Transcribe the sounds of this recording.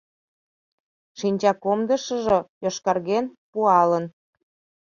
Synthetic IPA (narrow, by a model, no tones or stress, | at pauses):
ʃinʲt͡ɕɑkomd̪əʃə̆ʒojoʃkɑrɣenpuɑlən